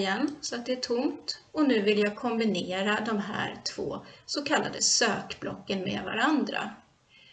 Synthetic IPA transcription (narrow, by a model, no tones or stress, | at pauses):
jɛnːsɔat̪̚d̪ɛæʈʰʊmt̪ɔnʉ̟ːvɪljaːɡ̚kʰɔmbɪneːɾad̪ɔmɦæ̰ːɾt̪ʰv̥o̰ːsɔkʰalːa̰d̪əsøːkblɔ̰kːənmḛːd̪va̰ɾand̪ɾa̰